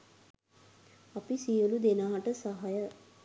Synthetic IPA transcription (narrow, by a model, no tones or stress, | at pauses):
apisijəlud̪enaːaʈəsaɦajə